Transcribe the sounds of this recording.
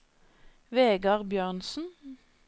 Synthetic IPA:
ʋeːɡɑʁbjøːʁnsn̩

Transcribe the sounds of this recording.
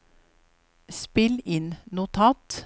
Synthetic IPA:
spɪlɪnnʊt̪ʰɑːt̪

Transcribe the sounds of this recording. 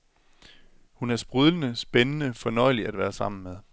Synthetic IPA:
hunæɐsb̥ʁyðˠlənəsb̥enənəfɒ̽nɒ̽ɪliæd̥ʋæːɐsɑ̈m̰n̩meðˠ

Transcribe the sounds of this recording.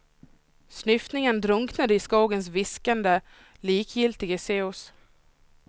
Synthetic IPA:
snʏft̪nɪŋənd̪ɾɵŋknad̪əɪskuːɡəns̬vɪskand̪ə | liːkjɪlt̪ɪɡəseːʊs

